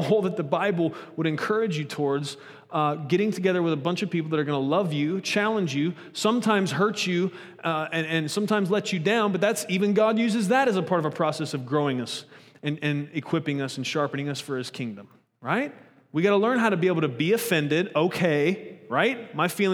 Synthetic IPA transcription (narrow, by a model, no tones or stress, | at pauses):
hoʊlˠðɨt̪̚ðəbaɪbl̩ˠwəɾɨ̃nkʰɜ˞ɨd͡ʒjɨtʰɔɹdz̥ | ɡɛɾɪ̃ŋtʰɨɡɛðə˞wəðəbʌ̃nt͡ʃʌv̥pipl̩ˠðəɾə˞ɡʌnəlʌvjʉt͡ʃʰælˠə̃nd͡ʒjʉ | sʌ̃mtʰãɪ̃mz̥ɦɜ˞t͡ʃʉ | ɨ̃ɨ̃nsʌ̃mtʰãɪ̃mzlɛt͡ʃɨdãʊ̃nbʌt̪̚ðætsivɨ̃nɡɑd̚jʉzɨzðɨɾɨzəpʰɑɹɾʌvəpʰɹ̥ɔsɛsʌvɡɹoʊɪ̃ŋʌsɨ̃nɨ̃nɨkʰw̥ɪpɪ̃ŋʌsn̩ʃɑɹpɨnɪ̃ŋʌsfə˞ɨz̥kʰɪ̃ŋdə̃m | ɹaɪt̚ | wiɡɑɾəlɜ̃˞nɦaʊɾɨbieɪbl̩ˠtɨbiɨfɛ̃ndɪɾoʊkʰeɪɹaɪt̚maɪfil̃ˠ